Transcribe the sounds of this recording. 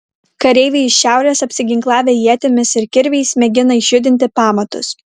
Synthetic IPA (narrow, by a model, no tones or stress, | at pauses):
kɐɾʲɛɪʋʲeɪɪʃʲʃʲæˑʊɾʲeːsɐpʲsʲɪɡʲɪŋklˠɑːʋʲeːjiɛt̪ʲɪmʲɪsɪɾkʲɪɾʲʋʲɛɪsmʲɛɡʲɪnɐɪʒʲʊd̪ʲɪnʲt̪ʲɪpɑːmɐt̪ʊ̰s